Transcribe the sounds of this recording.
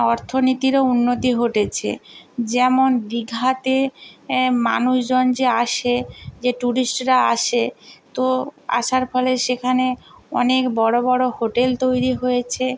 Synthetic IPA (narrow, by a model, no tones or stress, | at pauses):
ɔɾt̪ʰonit̪iɾounːot̪iɦoʈet͡ɕʰḛd͡ʑɛmond̪iɡʱat̪e | ma̰nuʃd͡ʑond͡ʑeaʃed͡ʑeʈuɾisʈɾaa̰ʃet̪oa̰ʃaɾfɔleʃekʰaneɔnekbɔɽobɔɽohoʈelt̪ojɾiɦojet͡ɕʰe